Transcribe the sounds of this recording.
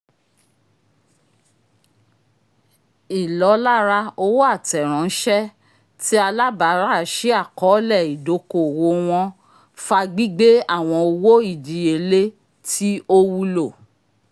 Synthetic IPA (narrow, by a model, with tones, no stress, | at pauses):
i˨lɔ˨˦la˦ɾa˧o˧wo˦a˦˨tɛ˨ɾ̃ã˨˦n̩˦ʃɛ˦ | ti˦a˧la˦ba˨˦ɾa˦˨ʃi˦a˦˨kɔ˨˦lɛ˦˨i˨do˨˦ko˦˨wo˧w̃ɔ̃˧ | fa˧ɡ͡bi˦ɡ͡be˦a˦˨w̃ɔ̃˧o˧wo˦i˦˨di˨e˧˨le˦ | tʰi˦o˦wu˧lo˦˨